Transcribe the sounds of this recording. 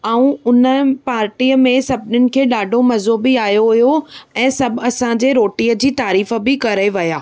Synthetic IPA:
aũʊnəpaːɾʈiːəmẽsɐbʱɪnʊnɪ̆kʰeːɗaːɖʱomɐzobɪaːjoɦʊijoɛ̃ːsɐbʱɐsã̆d͡ʑeɾoːʈiːəd͡ʑiːt̪aːɾiːfə̆bɪkɐɾeʋɐjaː

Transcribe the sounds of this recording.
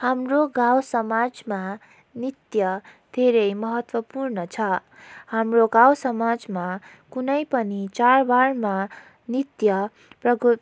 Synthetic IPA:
hamroɡawsʌmad͡zma | nit̪jʌd̪ʱeɾʌjmʌɦʌt̪wʌpurnʌt͡sʰʌhamroɡawsʌmad͡zma | kunʌjpʌnit͡sarbarma | nit̪jʌ | prʌɡu

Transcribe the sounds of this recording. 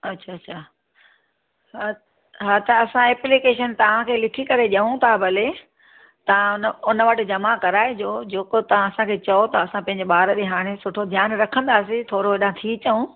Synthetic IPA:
ɐtːɕʰaːɕʰaː | ɦa | ɦaːt̪ɐɐsãɛːplikeːʃ̬ənt̪ɐʋ̤ãkʰeːlɪkʰikɐɾeʄɐũt̪ʰabʱɐle | t̪ɐʋ̤ãʊnʊnəʋəʈ̆d͡ʑɐmakɐɾaːed͡ʑoːd͡ʑeːkot̪ɐʋ̤ãɐsãkʰeːt͡ɕɐot̪ɐːsãpɐ̃ɦɪ̃ɲd͡ʑeɓaːɾɗeɦaːɽ̃esʊʈʰod̪ʱjaːnɾɐkʰə̃nd̪aːs̬it̪ʰoːɾoɗããt̪ʰit͡ɕɐũ

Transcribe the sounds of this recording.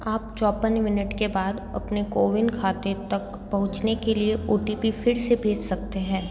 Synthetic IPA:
aːp̚t͡ʃɔːpənmɪnəʈkebaːd̪ɐ̰pnekoːʋɪnkʰaːt̪et̪ɐk | pɐɦʊ̃t͡ʃnekelieʔoːʈipifɪɾsebʱeːd͡ʒsɐk̚t̪eɦɛ̃ː

